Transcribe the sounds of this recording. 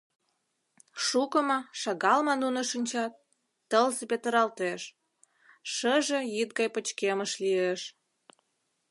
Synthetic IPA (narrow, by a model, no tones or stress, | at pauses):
ʃukəmɑʃɑɣɑlmɑnunə̆ʃinʲt͡ɕɑt̪̚ː | əlzepet̪əɾɑlt̪eʃ | ʃəʒejit̪̚ɡɑjpə̆t͡ɕkeməʃlieʃ